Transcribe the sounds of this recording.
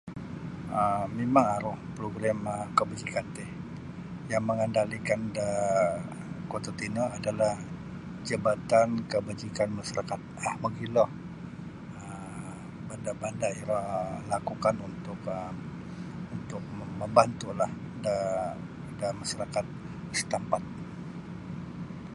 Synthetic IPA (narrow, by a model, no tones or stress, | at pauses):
əmemaŋaɾʊhpɾoɡɾaməkəbad͡ʒikant̪ɪh | jaŋməŋəndalikanda | kot̪at̪inəadalah | d͡ʒəbat̪ankəbad͡ʒikanmaʃaɾakat̪̚ahməɡilɔh | ə | bandabandaillakukanunt̪ʊkə | unt̪ʊk̚məmbant̪ulah | da | damaʃaɾakat̪̚ | st̪ampat̪̚